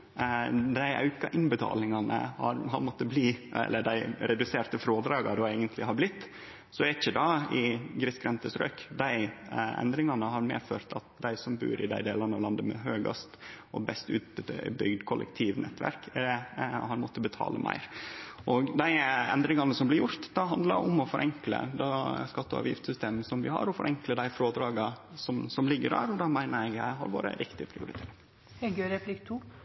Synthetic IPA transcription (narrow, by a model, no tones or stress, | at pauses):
d̪æɪʔɑ̰ʉkɑʔɪnbət̪ʰɑ̰ːlɪŋɑnə̰hɑ̰ɾɦɑɾmɔt̪ːəbliːɛ̰lːəɖ̪æɪɾɛd̪ʉseːɾt̪əfɾoːd̪ɾɑːɡɑd̪ɔæɪɡənt̪lɪɦɑɾblɪt̪ː | sɔɛɪçəd̪ɑɪɡɾɪskɾɛnt̪əsɾø̰ːkd̪æɪɛ̰nd̪ɾɪŋɑnəɦɑɾmḛːføːɾt̪ʰɑt̪d̪æɪsɔmbʉ̰ːɾɪd̪æɪd̪eːlɑnɑʋlɑnd̪əmɛ̰ɦøːɡɑ̰st̪ | ɔbɛst̪ʉ̰ːt̪̚b̪bʏɡd̪kʰɔlʔə̰kt̪ʰiːʋnʔɛt̪ːʋæ̰ɾk | hɑɾmɔt̪ːəbət̪ʰɑ̰ːlə̰mʔæ̰ɪɾʔɔɡd̪æɪɛ̰nd̪ɾɪŋɑnəsɔmblɪɾjʊɾt̪d̪ɑɦɑnd̪lɑɾʊmɔfɔɾʔɛŋklə̰d̪skɑt̪ːəɑ̰ːʋjɪft̪sʏst̪eːməsɔmʋɪhɑ̰ɾɔfɔɾʔɛŋkləd̪æɪfɾoːd̪ɾɑːɡɑsɔmsɔmlɪɡːəɖæ̰ːɾɔd̪ɑmæɪnəɾɛɡæɦɑɾʋoːɾə̰ɾɪkt̪ɪəpʰɾɪ̰ʊɾɪt̪ʰeː | hɛɡøɾɛpʰlɪkt̪ʰuː